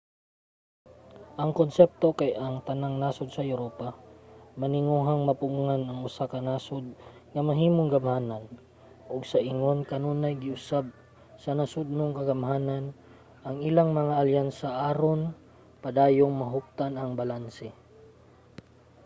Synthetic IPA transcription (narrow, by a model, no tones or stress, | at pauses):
ʔɐŋkonsɛp̚t̪o̞kajʔɐŋt̪ɐnaŋnaːsod̪̚sɐjʊɾoːpamɐnɪŋuːɦaŋmɐpʊŋʊŋanɐŋʊsakɐnaːsod̪̚ŋɐmɐɦiːmoŋɡɐmhaːnan | ʔoɡsɐʔɪŋo̞nkɐnonɐjɡɪʔʊsab̚ | sɐnɐsʊd̪̚noŋkɐɡɐmɦaːnan | ʔɐŋɪlaŋmɐŋaʔɐljansɐʔaːɾon | pɐd̪aːjoŋmɐɦʊk̚t̪anɐŋbɐlansɛ